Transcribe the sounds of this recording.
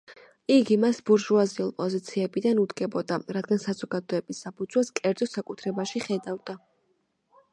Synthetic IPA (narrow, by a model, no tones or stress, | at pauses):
iɡimasbuɾʒuaziulˠpʼɔzit̪sʰiɛbid̪anud̪ɡɛbɔd̪aɾad̪ɡansazɔɡad̪ɔɛbisːapʰud̪z̥waskʼɛɾd̪zɔsakʼut̪ʰɾɛbaʃiχɛd̪avd̪a